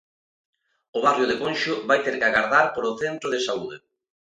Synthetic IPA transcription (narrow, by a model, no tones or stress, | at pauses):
ʊβarjʊðekõnʃʊβajt̪eɾkaɣaɾðaɾpoɾoθent̪ɾoðɪsauðe